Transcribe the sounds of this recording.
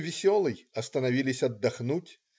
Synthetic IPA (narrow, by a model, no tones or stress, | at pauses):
vʲɪsʲɔlˠɨjɐst̪ənɐvʲilʲɪsʲɐd̪ːɐxnutʲ